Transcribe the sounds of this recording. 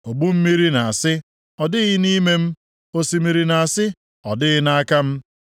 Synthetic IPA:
o˨ɡ͡bu˦m̩˦mi˦ɾi˦na˨a˨sɪ˦ | ɔ˨dɪ˦ɣɪ˦ni˦me˦m̩˦ | o˦si˦mi˨ɾi˦na˨a˨sɪ˦ | ɔ˨dɪ˦ɣɪ˦na˦a˦ka˦m̩˦

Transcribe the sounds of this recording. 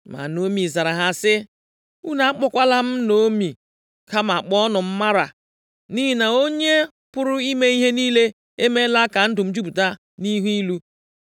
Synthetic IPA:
ma̰˨no˦mi˨za˨ɾa˨ɦa˦sɪ˦ | u˦na˨a˦k͡pɔ˦kʷa˦la˦m̩˦no˦mi˨ | ka˦ma˨k͡pɔ˦nʊ˨m̩˦ma˦ɾa˨ | ni˦ɦi˦na˨o˦ɲe˦ | pʊ˦ɾʊ˦i˦me˦i˦ɦe˦niː˦le˦ | e˦me˦la˦ka˨n̩˦dʊ˨m̩˦d͡ʒu˦bu˨ta˦ | ni˦ɦi˦lu˦

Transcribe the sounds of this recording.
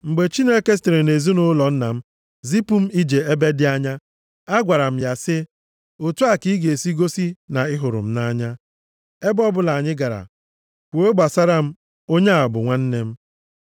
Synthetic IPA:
ŋ͡m̩˨ɡ͡be˨t͡ʃi˦ne˦ke˦s̬te˨ɾe˨ne˨zu˦nʊ˦lɔ˨n̩˦na̰˨m̩˦ | zi˦pu˨˦m̩˦i˦d͡ʒe˨e˦be˦dɪ˦a˦ɲa˦ | a˦ɡʷa˨ɾa˨m̩˦ja˨sɪ˦ | o˨tu˦a˦ki˦i˦ɡe˨e˨si˦ɡo˦si˦na˨ɪ˦ɦʊ˨ɾʊ̰˨m̩˦na˦ɲa˦ | e˦bɔ˦bʊ˦la˨ɲɪ˦ɡa˨ɾa̰˨ | kʷe˦ɡ͡ba˨sa˦ɾa˦m̩˦ | o˦ɲe˦a˨bʊ˨ŋʷa˦n̩˦ne˦m̩˦

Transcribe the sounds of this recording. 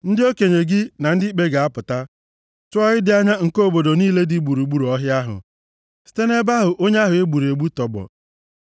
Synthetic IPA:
n̩˦dɪ˦o˦ke˨ɲe˨ɡɪ˦na˨n̩˦dɪ˦i˦k͡pe˦ɡa˨a˦pʊ˨ta˦ | tʊ˦ɔ˦ɣɪ˦dɪ˦a˦ɲa˦ŋ̩˨ko˦bo˨do˨niː˦le˦di˦ɡ͡bu˨ɾu˨ɡ͡bu˦ɾɔ˦ɦja˦ɦʊ̰˨ | si̥˦te˦ne˦ba˦ɦʊ˨ʔo˦ɲe˦a˦ɦʊ˨e˦ɡ͡bu˨ɾe˨ɡ͡bu˦tɔ˨bɔ̰˨

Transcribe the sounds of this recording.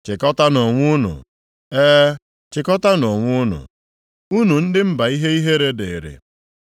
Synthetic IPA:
t͡ʃɪ˨kɔ˦ta˦nɔ˨ŋʷʊ˦nʊ̰˨ | eː˦ | t͡ʃɪ˨kɔ˦ta˦nɔ˨ŋʷʊ˦nʊ̰˨ | u˦nu˨n̩˦dɪ˦m̩˦ba˨i˦ɦe˦i˦ɦe˦ɾe˦dḛ˨ɾɪ̰˨

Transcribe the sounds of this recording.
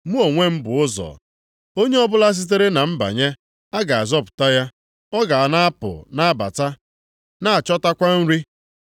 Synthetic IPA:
mu˦o˨ŋʷe˦m̩˦bʊ˨ʊ˦zɔ̰˨ | o˦ɲe˦ɔ˦bʊ˦la˦s̬i˦t̬e˦ɾe˦na˨m̩˦ba̰˨ɲe˦ | a˦ɡa˨a˨zɔ˦pʊ̥˨ta˦ja˦ | ɔ˦ɡa˨a˨na˦a˦pʊ̰˨na˦a˦ba̰˨ta˦ | na˦a˨t͡ʃɔ˦ta˦kʷa˦n̩˦ɾi˦

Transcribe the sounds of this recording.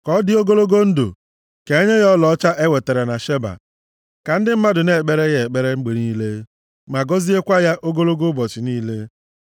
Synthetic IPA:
kɔ˦dɪ˦o˦ɡo˦lo˦ɡo˦n̩˦do̰˨ | ke˨e˦ɲe˦ɣɔ˦lɔ˦t͡ʃa˦ʔe˦we˨te˨ɾe˨na˨ʃe˦ba̰˨ | ka˨n̩˦dɪ˦m̩˦ma˦dʊ˨ne˨e˨k͡pe˦ɾe˦ɣe˨e˨k͡pe˦ɾe˦ŋ͡m̩˦ɡ͡bi˨ɾi˦le˦ | ma˨ɡɔ˦zi˦e˦kʷa˦ja˦ʔo˦ɡo˦lo˦ɡo˦bɔ˨t͡ʃɪ˨niː˦le˦

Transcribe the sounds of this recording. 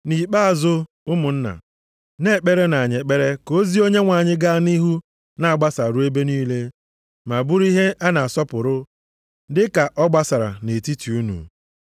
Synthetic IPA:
ni˨k͡pa˦a˨zʊ˦ | ʊ˦mʊ˨n̩˦na̰˨ | ne˦˨k͡pe˦ɾe˦na˨ɲe˨k͡pe˦ɾe˦ko˦zi˦o˦ɲe˦ŋʷa˨ɲɪ˦ɡa˦ni˦ɦu˦ | na˨a˨ɡ͡ba˦sa˨ɾu˦e˦be˦niː˦le˦ | ma˨bʊ˦ɾi˦ɦe˦ʔa˦na˨a˨sɔ˦pʊ˨ɾʊ˦ | dɪ˦ka˨ʔɔ˦ɡ͡ba˦sa˨ɾa̰˨ne˨ti˦ti˨u˦nṵ˨

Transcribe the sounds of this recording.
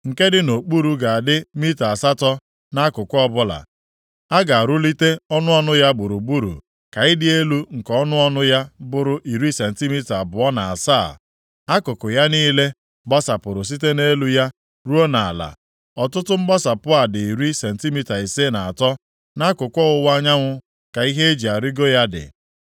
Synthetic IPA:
ŋ̩˨ke˦dɪ˦no˨k͡pu˦ɾu˨ɡa˨a˨dɪ˦mi˦ta˨a˨sa˦tɔ˦ | na˦kʊ˨kʷɔ˦bʊ˦la̰˨ | a˦ɡa˨a˨ɾu˦li˦te˦ɔ˦nʊ˦ɔ˦nʊ˦ja˦bʊ˨ɾʊ˨ɡ͡bu˦ɾṵ˨ | ka˨ɪ˦dɪ˦e˦lu˦ŋ̩˨kɔ˦nʊ˦ɔ˦nʊ˦ja˦bʊ˨ɾʊ˨ʔi˨ɾi˦se˨n̩˨ti˦mi˦ta˨bʊ˨ɔ˦na˨a̰˨sa˦˨ | a˦kʊ˨kʊ˨ja˦niː˦le˦ | ɡ͡ba˦sa˨pʊ˨ɾʊ˨s̬i˦te˦ne˦lu˦ja˦ | ɾu˦o˦na˨la̰˨ | ɔ˨tʊ˦tʊ˦ŋ͡m̩˦ɡ͡ba˦sa˨pʊ˦a˨dɪ˨i˨ɾi˦se˨n̩˨ti˦mi˦ta˨i˨se˦na˨a˨tɔ˦ | na˦kʊ˨kʷɔ˦ʊ˦wa˦ɲa˦ŋʷʊ˦ | ka˨i˦ɦe˦e˦d͡ʒi˨a˨ɾi˦ɡo˦ja˦dɪ̰˨

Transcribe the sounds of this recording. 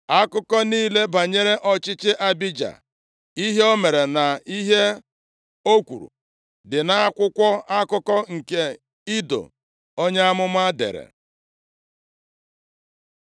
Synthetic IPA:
a˦kʊ˦kɔ˦niː˦le˦ba˨ɲe˦ɾe˦ʔɔ˦t͡ʃɪ˦t͡ʃɪ˦ʔa˦bi˦d͡ʒa̰˨ | i˦ɦe˦o˦me˨ɾe˨na˨i˦ɦe˦ | o˦kʷṵ˨ɾṵ˨ | dɪ˨na˦a˦kʷʊ˦kʷɔ˦a˦kʊ˦kɔ˦ŋ̩˨ke˦ | i˦do̰˨ | o˦ɲe˦a˦mʊ˦m˦a˦dḛ˨ɾḛ˨

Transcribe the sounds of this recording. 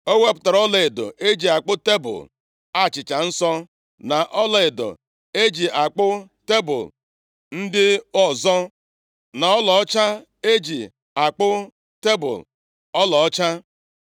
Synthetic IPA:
o˦we˦pʊ̥˨ta˨ɾɔ˦le˨e˨do̰˨ʔe˦d͡ʒi˨a˨k͡pʊ˦te˦bʊ̰˨l | a˦˨t͡ʃɪ˨t͡ʃa˨n̩˦sɔ˦ | na˨ʔɔ˦le˨e˨do̰˨ | e˦d͡ʒi˨ʔa˨k͡pʊ˦ | te˦bʊ̰˨l | n̩˦dɪ˦ɔ˦zɔ˦ | na˨ɔ˦lɔ˨ɔ˦t͡ʃa˦ | e˦d͡ʒi˨ | a˨k͡pʊ˦ | te˦bʊ̰˨l | ɔ˦lɔ˨ɔ˦t͡ʃa˦

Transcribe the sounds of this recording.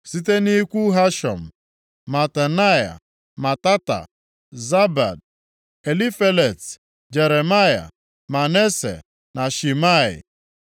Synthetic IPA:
si˦te˦ni˦kʷu˦ɦa˦ʃɔ̰˨m̩˨ | ma˨ta˨na˦ja̰˨ | ma˨ta˦ta̰˨ | za˦ba̰˨d̚ | e˨li˦fe˦le˨t | d͡ʒe˨ɾe˨ma˦ja̰˨ | ma˨ne˦sḛ˨ | na˨ʃi˨ma˦˨ɪ̰˨

